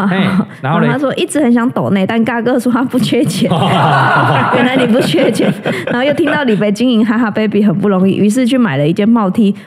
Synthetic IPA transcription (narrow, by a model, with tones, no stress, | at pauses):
a˨˩˨a˥ʂwɔ˦˥ʔi˥˩t͡sɻ̩˧˥xə˨˦nɕjɑ˧˦ŋt̪o˨˩ʊne˥˩ɪt̪a˥˧˨nka˥˩kɤ˥ʂɔ˥ta˥pu˥˧t͡ɕʰɥɛ˥t͡ɕjɛ˨˩ | kə˨˩na˧˦ni˨˩p̬u˥˩t͡ɕʰɥɛ˥t͡ɕjɛ˨˩˦nn˧a˧˥˧jo˥˩ʊt̪i˥ŋt̪ɑ˥˩ʊli˨˩pe˥˩ɪt͡ɕi˥ŋi˧˥ŋɦa˧˥ɪɦa˥˩pe˥ɪpi˨˩ɦə˨˩npu˥˩ɾo˧˥ŋḭ˥˩ʔy˧˥ʂ̬ɻ̩˥˧t͡ɕʰy˥˩ma˨˩ɪlə˦i˥˩t͡ɕjɛ˥nmɑ˥˩ʊt̪ʰi˥